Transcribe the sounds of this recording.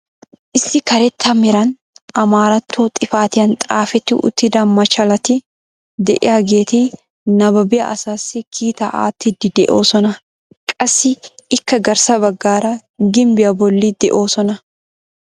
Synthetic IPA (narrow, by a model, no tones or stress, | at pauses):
ʔɪsːɪkɐɾɛt̪ʰːɐmɪɾɐn | ɐmaːɾɐt̪ʰːoːt̪ʼɪfaːt̪ɪjɐnt̪ʼaːfɛt̪ːɪʔʊ̰t̪ːɪd̪ɐnmɐt͡ʃɐlɐt̪ɪ | d̪ɛ̰ʔɪ̰ɐɡeːt̪iː | nɐbɐbɪjɐ̰ɐsaːsːikʰiːt̪aʔa̰ːt̪ːɪd̪ɪd̪ɛ̰ʔo̞ːsɔnɐ | kʼɐsːɪɪkːɐɡɐɾsɐbɐɡːaːɾa | ɡɪmbɪɐbɔlːid̪̥ɛ̰ʔo̞ːsɔnɐ